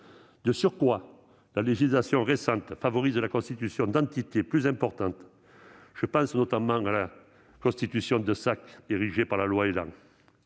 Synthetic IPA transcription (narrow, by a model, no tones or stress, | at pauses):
d̪əsyʁkwa | laleʒislasjɔ̃ʁesɑ̃nt̪favɔʁizlakɔ̃st̪it̪ysjɔ̃d̪ɑ̃t̪it̪eplyzɛ̃mpɔʁt̪ɑ̃nt̪ | ʒ̥əpɑ̃snɔt̪amɑ̃ala | kɔ̃st̪it̪ysjɔ̃d̪əsakeʁiʒepaʁlalwaelɑ̰̃